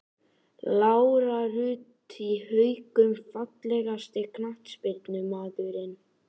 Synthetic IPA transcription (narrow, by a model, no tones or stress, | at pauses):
lawɾaɾʏːt̪ | ihœjkʏmfat̪lɛɣast̪ɪkʰnaht̪spɪɾt̪nʏmaːðʏɾɪn